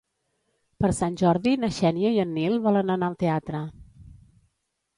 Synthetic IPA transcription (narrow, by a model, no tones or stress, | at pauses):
pəɾsanʲʒɔɾðinəʃɛnjəiənːilˠβɔlənənaəlˠt̪eat̪ɾə